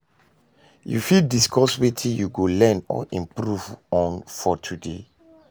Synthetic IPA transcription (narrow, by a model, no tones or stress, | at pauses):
jṵfiddiskʰɔswetʰĩjuɡolɛ̃nɔ̰ʔĩmpɾuvɔ̃nfɔtʰudḛ